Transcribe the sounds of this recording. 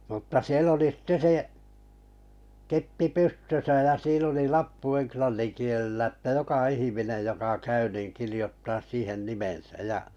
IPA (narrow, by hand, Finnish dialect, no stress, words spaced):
mutːɑ siel oli sitːe se kepːi pystøsæ jɑ siːn oli lɑpːu enklɑnːin kielelːæ tːæ jokɑ ihiminej jokɑ kæy niˑn kirijotːɑːs siːhen nimensæj̆ jɑ